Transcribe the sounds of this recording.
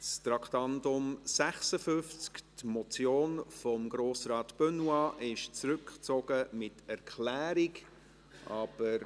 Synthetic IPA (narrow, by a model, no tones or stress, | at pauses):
st̪ɾɑkʰtɑndʊmsæχsəfʏnft͡sktmɔt͡sjoːnfɔmɡɾoːsrɑːtb̥ønwɑʔɪʃt͡sɾʏkt͡soɡ̥əmɪtɛɾkʰlæːɾiɡ | ʔɑb̥əɾ